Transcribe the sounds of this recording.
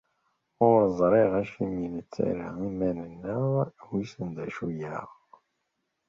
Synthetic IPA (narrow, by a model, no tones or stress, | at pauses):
oɾzˤɾˤeʁæʃiminət͡sːæ̰ɾəimænənːəʁwisənd̪æʃujæʁ